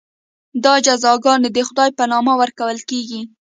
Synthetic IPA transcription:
d̪ɑd͡ʒazɑɡɑned̪əxʊd̪ɑjpanɑmawəɾkawəlkeɡi

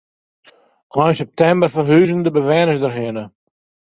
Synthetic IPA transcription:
ʔɔjnsɛp̚tɛmbərfərɦyːzəndəbəʋɛːnəsdərɦɪənə

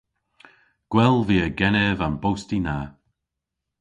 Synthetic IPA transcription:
ɡ̥wɛlˠviːəɡɛnɛvanbowstina

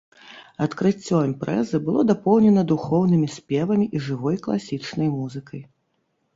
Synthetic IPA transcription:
ɐt̪kɾɨt͡sʲːɔimpɾɛ̰zɨbɨlˠɔd̪apɔwnʲɛnɐd̪uxɔwnɨmʲisʲpʲɛvɐmʲiʔiʐɨvɔjklˠasʲit͡ʂnɐjmuzɨkɐj

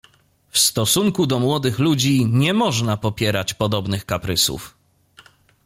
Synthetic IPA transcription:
fst̪ɔsuŋkud̪ɔmwɔd̪ɘxlud͡ʑiɲɛmɔʐnapɔpʲjɛɾat͡ɕpɔd̪ɔbnɘxkapɾɘsṵf

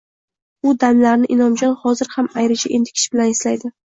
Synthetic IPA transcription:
ʊd̪amlaɾnɪʔɪnɒmd͡ʒɒnhɒzɪɾhamajɾɪt͡ʃʰaʔe̞nd̪ɪ̥kʲʰɪ̥ʃbɪlanɪslajd̪ɪ

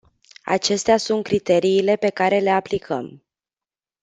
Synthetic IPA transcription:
a̰t͡ʃe̞st̪easunt̪̚kɾit̪e̞ɾiːle̞pe̞kaɾe̞le̞aplikʰə̰m

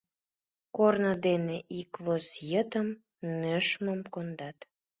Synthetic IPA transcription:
kornəd̪eneʔikvosjət̪əm | nəʃməmkond̪ɑt̪

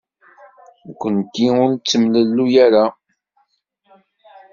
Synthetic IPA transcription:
kʷːənkːiʊɾnt͡sːəmləlːujaɾa

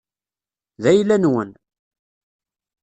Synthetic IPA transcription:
ðæjlænwən

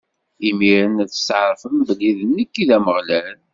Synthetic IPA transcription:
imiɾənæθə̥sʕɾˤfəmbəlːiðənːəkːiðæməʁlæln

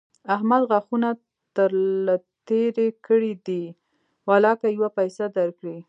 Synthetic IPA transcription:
aɦmalɣaxuna | t̪əɾlat̪eɾekəɽid̪i | walɑkajwapajsad̪aɾkɽi

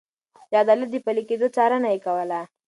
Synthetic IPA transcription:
jɑːd̪ɑlat̪̚d̪əpaliked̪ot͡sɑɾənajekawəla

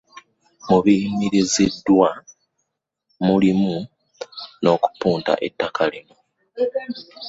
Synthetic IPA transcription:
muβimiɾizidːwa | mulimu | no̞ːku̥puːnta̰ʔe̞̰tːakʰalimu

